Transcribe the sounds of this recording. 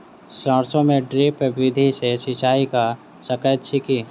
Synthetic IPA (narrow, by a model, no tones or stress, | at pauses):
sə̃ɾsõmẽɖɾeːpʋɪd̪ʱisesit͡ʃaːika | səkəjt̪ʃikiː